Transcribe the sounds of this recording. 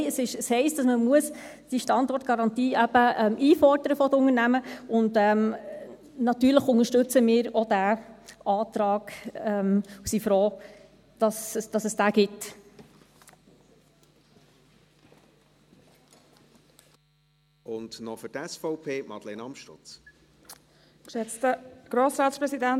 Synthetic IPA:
əsɪʃəshɛɪst̚d̥ɑsməmuəsd̥iʃtɑndɔɾt̚ɡ̥ɑɾɑntiːʔæb̥əɛmʔiːfɔrdəɾəfɔdəʊŋəɾnæməʊndɛm | nɑt̪yːɾləχʊnəʃtɵt͡səmɪːɾɔd̥æːʔɑːt̪ɾɑːɡ̥ɛmusifɾɔː | d̥ɑsd̥ɑsəsd̥æːɡ̥ɪt | ʊndnɔfʏtɛsfɔʊpʰeːmɑ̰dlenɑmʃtʊ̰t͡s | kʃɛt͡stəɡ̥ɾoːsɾaːtspɾɛsidæn

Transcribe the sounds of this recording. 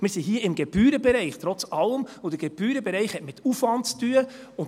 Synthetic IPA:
mɪːɾsiɦiːəɪmɡɛb̥yːɾəbɛɾɛɪχt̪ɾɔt͡sɑləmod̥əɡ̥eb̥yːɾəbɛɾɛɪχhɛtmɪtʰufʋɑntstyəʊn

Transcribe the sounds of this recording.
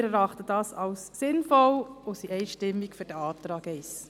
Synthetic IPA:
ɾɛɾɑχtəd̥ɑːsɑwsːɪnfɔlosiʔɛɪʃtɪmːikføɾd̥ɛɑːtɾɑːɡɛɪs

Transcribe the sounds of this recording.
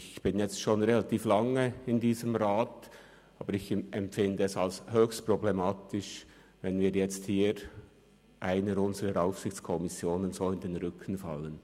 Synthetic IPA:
çb̥ɪnjɛt͡stʃoːnʁelat̪iːflɑŋəɪndiːzəmɾaːt | ʔɑ̰ːbəɾɪçʔɛmpfɪndəɛsalshøːçstproblemɑːtɪʃ | vɛnviːɾjɛt͡sthiːɾ | ʔaɪnəʊnzəɾəɾaʊfsɪçt͡skʰɔmɪsjoːnənzoːɪndenɾʏkʰən̩fɑ̰lən

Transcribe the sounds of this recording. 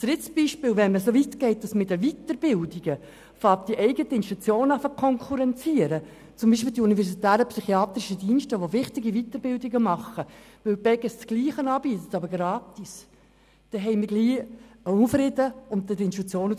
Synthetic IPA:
d̥ɾɪtsb̥iʃpɪːlʋɛnməsoːʋit̪ɡ̥ɛɪt̚d̥ɑsmɪdəʋitəɾb̥ɪldiɡ̥ə | fɑːt̚d̥iʔɛɪɡətəɪnʃtut͡sjoːnɑfəkʰɔŋkʰuɾɛnt͡siəɾə | t͡sʊmbiːʃ̬piːldiunivɛɾsitæːɾəpsyχiɑːt̪ɾɪʃədiːnʃtəʋoʋɪχtɪɡivit̪ːəɾbɪldiɡəmɑχə | ʋɪlb̥ɛɡəst͡sɡ̥liːχənɑːb̥iːt̪ətɑbəɾɡɾɑːtis | d̥ɛɦɛɪmɪɡliːufɾɪdəʊnt̚ːɛdɪnʃtut͡sjoːn

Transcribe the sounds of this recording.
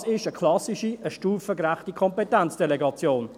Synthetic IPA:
sɪʃəkʰlɑsiʃiəʃtuːfəɡɾæχtikʰɔmpetɛnt͡sd̥eleɡɑt͡sjoːn

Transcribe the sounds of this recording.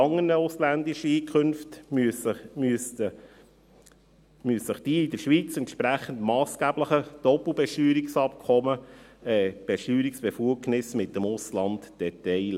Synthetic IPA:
ɑŋːənəʊslænd̪ɪʃəiːkʰχɵnftysəsə | myəsəχd̥iːɪd̪əɾʃʋiːt͡sɛnt̪ʃpɾæχəntmɑːsɡ̥æbləχəd̥ɔpl̩ˠbɛʃtyːɾiksɑp̚kʰɔməɛb̥ɛʃtyːɾiksb̥ɛfuəɡnɪsmɪtːəmʊslɑntd̥ɛtɛɪl

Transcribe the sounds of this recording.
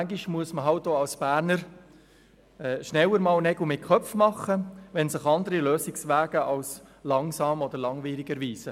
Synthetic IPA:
æŋɡiʃmuəsməɦɑlt̚doːɑlsb̥æːɾnəɾ | ɛːʃnɛwəɾmɑːlnɛɡ̥l̩mɪt̚kʰœfmɑχːəʋɛnsɪχɑnd̪əɾiløːsɪksʋæːɡ̥əʔɑlslɑŋsɑːmɔd̥̪əɾlɑŋʋiːɾɪɡəɾʋiːsə

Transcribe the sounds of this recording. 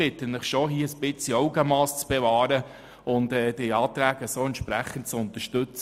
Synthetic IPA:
ɪt̪ːənnəχʃoɦiːəsb̥ɪt͡siɔʊɡəmɑːst͡sb̥ɛvɑːɾə | ʊndɛːd̥iɑːt̪ɾæːɡəsoːɛntt͡ʃpɾæχːənt̚t͡sʊnt̪əʃtɵt͡s

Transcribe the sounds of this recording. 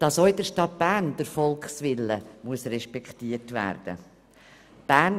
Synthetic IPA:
d̥ɑsoɪdəʃtɑt̚b̥æːɾnd̥əɾfɔlkχsʋɪlːəmuəsrɛʃpɛktiːətʋæ̰ːɾd̥ə̰ | b̥æːn

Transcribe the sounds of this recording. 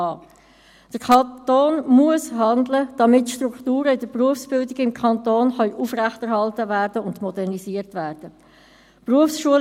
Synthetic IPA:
ɑː | d̥əkʰɑtoːnmuəsɦɑndləd̥ɑmɪtːʃtruktuːɾəɪd̥əɾpruəfsb̥ɪldɪɡɪmkʰɑntoːnχœʏʔufræχtɛɾhɑltəvæːɾdəʊndmɔdɛrnisiːərtʋæːɾd̥ə | pruəfsʃuəl

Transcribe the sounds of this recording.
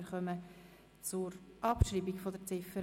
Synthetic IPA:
ɾχœmə | t͡sʊɾʔɑpʃɾiːbiɡfod̪əɾt͡sɪfə

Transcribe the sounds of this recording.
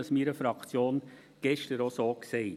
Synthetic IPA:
əsmiːɾəfɾɑkt͡sjoːn | ɡ̥ɛʃtəɾosoːkseɪ

